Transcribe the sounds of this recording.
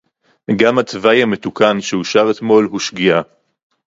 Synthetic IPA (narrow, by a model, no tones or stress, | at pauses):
ɡamat͡svajame̞t̪ukanʃeuʃaʁet̪mo̞lhuʃɡia